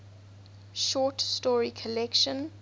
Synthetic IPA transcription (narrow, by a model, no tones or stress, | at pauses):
ʃɔˑtstɔɹikʰəlɛkʃə̃n